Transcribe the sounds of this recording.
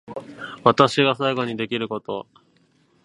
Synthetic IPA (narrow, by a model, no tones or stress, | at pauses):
βat̪aɕiɡasaiɡo̞ɲ̟id̪e̞kʲiɾɯ̟ko̞t̪o̞